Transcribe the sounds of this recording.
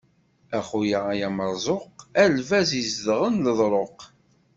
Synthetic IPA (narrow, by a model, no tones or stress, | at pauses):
æχujəʁajæməɾˤzˤoqælvæzizðʁənləðˤɾˤoq